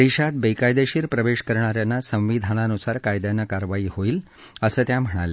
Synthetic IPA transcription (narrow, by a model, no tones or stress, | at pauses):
d̪eɕat̪̚bejkajd̪eɕiːɾpɾəʋeɕkəɾɳ̃aɾjanːasə̃w̃ʋid̪ʱañanusaɾkajd̪janəkaɾʋaiːhoiːl | əsəːt̪jam̤əɽ̃a̰le